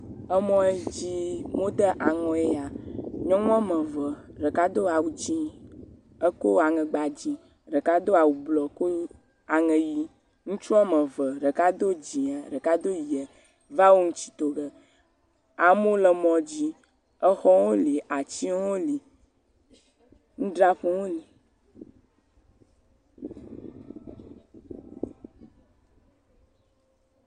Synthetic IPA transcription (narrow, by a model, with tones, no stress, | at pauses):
ə˦mɔ̃˦e˦d͡ʑi˦mo˦d̪ə˦ʔa˨ŋɔ̃˦e˦a˨ɲɔ̃˦ŋɔ̃˦mə˨və˨ɖə˨ka˦d̪o˦a˨wu˨t͡ɕĩ˦ | ə˦ko˦a˨ŋə̃˨ɡ͡ba˨d͡ʑĩ˨ | ɖə˨ka˦d̪o˦a˨wu˨blɔ˨˦ko˦ | a˨ŋə̃˨ji˦ | ŋũ˦t͡ʃu˦a˦mə̃˨və˨ɖə˨ka˦d̪o˦d͡ʑĩ˨a˨ɖə˨ka˦d̪o˦ji˨ə˨ | va˦wo˦ŋũ˦t͡ɕi̥˦t̪o˨ɡə˨ | a˨mõ˦lə˨mɔ̃˨d͡ʑi˦ | ə˦xɔ˦wo˦li˨ʔa˨t͡ɕi˦o˦li˨ | ŋũ˦ɖɾa˦ɸu˦wo˦li˨